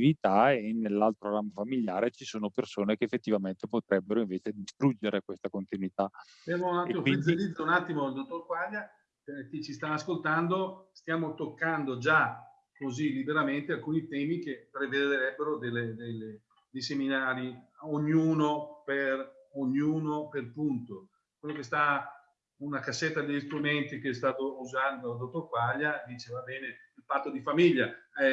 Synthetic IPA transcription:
ivit̪aenːelːalt̪ɾoɾamːafamiljaːɾet͡ʃisoːnopersoːnekeːfːet̪ːivament̪epot̪ɾɛbːeɾoiɱveːt͡ʃed̪ist̪ɾud͡ʒːeɾekwest̪akont̪inwit̪a | d̪ɛvonatek̪imfwiiilid̪zounat̪ːimoild̪ot̪ːorɡwalːa | ket͡ʃːist̪aːskolt̪and̪ost̪jaːmot̪okːand̪od͡ʒa | kozilːibeɾament̪ealkuːnit̪ɛːmikepɾeved̪eɾɛbːeɾod̪elːed̪ele | d̪ejseminaːɾioɲːuːnoperoɲuːnoperpunt̪o | kwelːokest̪a | unakasːet̪ːad̪eʎːist̪ɾument̪ikeɛst̪aːt̪ouzand̪od̪ot̪okwaʎːad̪iːt͡ʃevabɛːneilpat̪ːod̪ifamiʎːaɛ

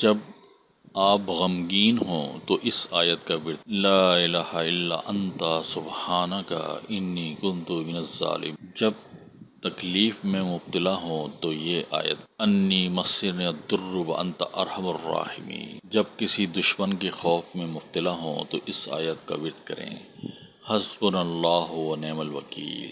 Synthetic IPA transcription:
d͡ʒɐb | aːpɣɐmɡiːnɦõ̰ːt̪oʔɪsaːjət̪kabɪɾd̪̚laːɪlaːhaɪlːa̰ʔɐnt̪asʊbhaːnɐka̰ɪnːiːkʊ̃nd̪umɪnɐza̰ːlɪ̰md͡ʒɐb̚ | t̪ɐkliːfmẽmʊb̚t̪ɪlaɦõt̪ojeʔa̰ːjə̰t̪̚ɐnːiːmɐsɪɾniɐd̪ʊɾːwɐ̰ʔɐ̰̃nt̪aʔɐɾhɐmɐrːɑ̰ːhɪmḭːd͡ʒɐb̚kɪsid̪ʊʃmənkexɔːfmẽmʊb̚t̪ɪlaɦõ̰ːt̪oʔɪsa̰ːjət̪̚ka̰bɪɾd̪kɐɾḛ̃ː | hɐzbʊnɐlːaːɦwɐnɛːmɐlʋɐkḭːll

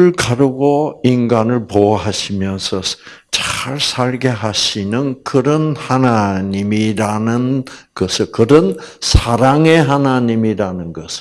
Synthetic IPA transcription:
ɯɭkaɾɯɡoinɡanɯɭpoɦaɕʰimjʌnsʰʌ | t͡ɕaɭsʰaɭɡe̞ɦaɕʰinɯnkɯɾʌnhanaɲimiɾanɯnkʌsʰɯɭkɯɾʌnsʰaɾaŋe̞ɦanaɲimiɾanɯnɡʌsʰɯ̥

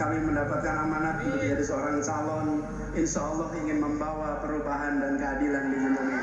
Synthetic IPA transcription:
kamiməndapat̪̚kanamanaidd͡ʒaɾisəoɾaŋt͡ʃalɔn | ɪnʃaːlːɔhiŋɪnməmbawapəɾubaɦandankəadilanbiŋimaɲa

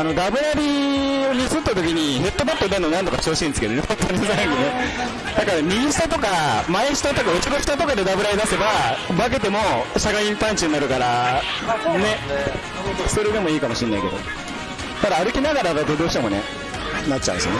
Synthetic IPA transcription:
ano̞ɡ̪abɯ̟ɾaɾʲio̞ɲ̟izɨt̪ːat̪o̞kʲiɲ̟iɦe̞t̪ːo̞bat̪ːod̪enonãnt̪o̞kat͡ɕoːɕĩnsɨ̥ke̞d̪onehõt̪ʰːoɲʲisãŋkɯne | nãŋkaɲʲiɡʲĩɕi̥t̪at̪o̞kamaeɕi̥t̪ot̪okɯot͡ɕiɡoçi̥t̪ot̪o̞kad̪e̞d̪abɯ̟ɾaɾid̪ase̞babak̬e̞t̪e̞mo̞ɕakaĩmpãɲt͡ɕiɲinaɾɯ̟kaɾa | ne̞ | so̞ɾe̞d̪e̞mo̞iːkamo̞ɕĩnːaike̞d̪o̞̰ | t̪ad̪aːɾɯ̟kʲinaɡaɾabad̪od̪o̞ːɕi̥t̪e̞mo̞nḛ | nat͡ɕːt͡ɕa̰ɯ̰̃sɨ̰ne

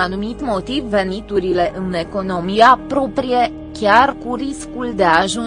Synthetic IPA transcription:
anumit̪mo̞t̪ivːe̞nit̪uɾile̞ʔɨne̞ko̞no̞mijapɾo̞pɾije̞ | kʲjarkuɾiskuld̪eaʒu

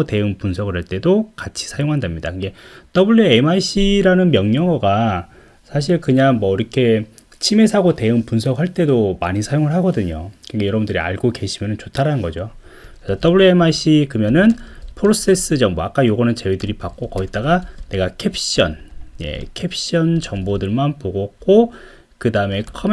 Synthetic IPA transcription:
ote̞ɯnpunsʰʌɡɯɾɦaɭt͈e̞dokat͡ɕʰi̥sʰajoŋɦandamɲidakɯnɡe̞t͈ʌbuɭːuemaiɕ͈ʰiɾanɯnmjʌŋɲʌŋɡʌɡa | sʰaɕ̬ʰiɭkɯɲaŋmwʌiɾʌkʰe̞ | t͡ɕʰime̞sʰaɡote̞ɯŋpunsʰʌk̚haɭt͈e̞domaɲisʰajoŋɯɭɦaɡʌdɯɲokɯnɡejʌɾʌbundɯɾia̰ɭɡoke̞ɕʰimjʌnɯnt͡ɕotʰaɾanɯnɡʌd͡ʑo | kɾesʰʌt͈ʌbuɭːuemaiɕ͈ikɯmjʌnɯnpʰɯɾos͈e̞s͈ɯd͡ʑʌŋboak͈ajoɡʌnɯnt͡ɕe̞wedɯɾipak͈̚okʌit̚t͈aɡane̞ɡakʰepʰɕ͈ʌnjḛkʰe̞pʰɕ͈ʌnt͡ɕʌŋbodɯɭmanpoɡʌk͈o | kɯdaɯme̞kʰʌm

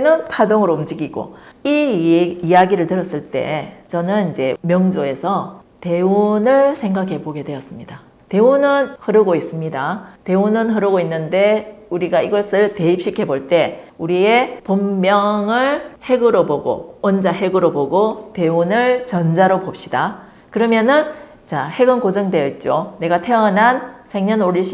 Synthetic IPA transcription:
nɯnkʰadoŋɯɾoumd͡ʑiɡiɡo̰iijaɡiɾɯɭtɯɾʌs͈ɯɭt͈e̞̰t͡ɕʌnɯnid͡ʑe̞mjʌŋd͡ʑoe̞sʰʌ | te̞unɯɭsʰe̞ŋɡakʰe̞boɡe̞dwe̞ʌs͈ɯmɲida | te̞unɯnhɯɾɯɡois͈ɯmɲidate̞unɯnɦɯɾɯɡoinːɯnde̞uɾiɡaiɡʌs͈ɯɭte̞ip̚ɕ͈ikʰe̞boɭt͈e̞uɾie̞pomːjʌŋɯɭhe̞ɡɯɾoboɡo̰wʌnd͡ʑaɦe̞ɡɯɾoboɡote̞unɯɭt͡ɕʌnd͡ʑaɾopop̚ɕ͈id̥a | kɯɾʌmjʌnɯn | t͡ɕahe̞ɡɯnkod͡ʑʌŋdwe̞ʌit̚t͡ɕ͈one̞ɡatʰe̞ʌnɦansʰe̞ŋɲʌnoɾiɕi

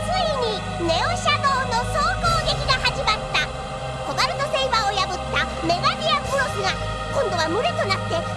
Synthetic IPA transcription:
sɨiɲ̟i | ne̞o̞ɕad̪o̞ːno̞so̞ːko̞ːɡʲe̞kʲiɡahaʑimat̪ːa | ko̞ɡaɾɯ̟t̪o̞se̞iβao̞jabɯ̟t̪ːa | me̞ɡaɾʲiapɯ̟ɾo̞sɨɡa | kõ̞nd̪o̞β̞amɯ̟ɾe̞t̪o̞nat̪ːe̞

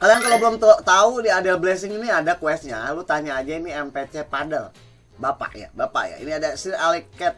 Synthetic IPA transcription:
alijaŋkalobəlʊmt̪t̪audiadəlblɛs̬ɪŋiniadakwɛst̪̚ɲalut̪aɲaːd͡ʒainiɛmpɛt͡ʃɛpadəl | bapa̰ʔja̰bapa̰ja̰ḭniadasiralikɛt̪̚

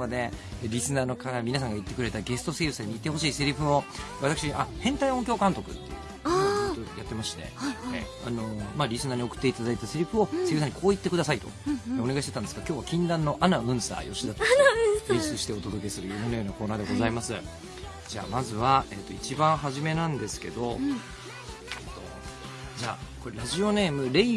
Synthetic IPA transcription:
ad̪e̞ | ɾʲisɨnaːno̞kaamʲinas̬ãŋɡait̪ːe̞kɯ̟ɾe̞t̪aɡe̞sɨ̥t̪o̞seːjɯsaɲ̟iːt̪ːe̞ɦo̞ɕiːseɾʲiɸɯo̞βat̪akɯ̟ɕiʔahẽnt̪aiõ̞ŋkʲo̞ːkãnt̪o̞kɯ̟̰t̪ːe̞̰jɯ̰ | t̪ojat̪ːe̞masɕi̥t̪nḛae | a̰no̞maːɾʲisɨnaːɲ̟io̞kɯ̟̥t̪ːe̞it̪ad̪ait̪aseɾʲiɸɯo̞sejɯ̟saɲ̟ikʰo̞ːit̪ːe̞kɯd̪asait̪o̰eo̞ne̞ɡaitet̪ãnd̪esɨɡ̥akʲo̞ːβakʲĩnd̪ãnːo̞ʔanaɯ̟̃ɰ̃sa̰ːjo̞ɕid̪at̪oĩɕt͡sɨɕi̥t̪e̞ot̪o̞d̪o̞k̬ʲe̞sɨɾɯ̟jomenojoːnakoːnaːd̪e̞ɡo̞zaimasɨ | d͡ʑa̰ːmazɨβae̞t̪ːo̞it͡ɕibãɰ̃ɦaʑime̞nãnd̪e̞sɨ̥ke̞̰d̪o̞̰ | et̪ːo̞̰ | d͡ʑaːko̞ɾeɾaʑio̞ne̞ːmɯ̟ɾe̞i

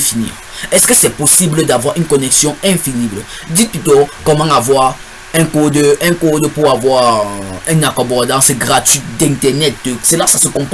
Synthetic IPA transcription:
finḭːʁ | ɛskəsɛposibləd̪avwaʁynkɔnɛksjɔ̃ɛ̃finiblə | d̪it̪̚pyt̪okɔmãavwaʁ | ɛ̃kod̪ɛ̃kod̪puʁavwaʁɛ̃nakɔbɔd̪ãsɛɡʁat̪ɥid̪ɛ̃t̪ɛʁnɛt̪̚əsəlasasəkɔ̃p

